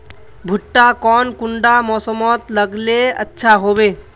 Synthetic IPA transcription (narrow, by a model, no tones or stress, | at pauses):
bʱʊʈːakɔnkuɳɖamɔsɔmɔt̪ləɡleə̰tːʃʰaɦobe